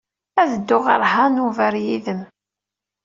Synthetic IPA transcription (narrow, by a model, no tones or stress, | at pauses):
æðəd̪ːʊʁə̰ɾˤɦanuvəɾjiðəm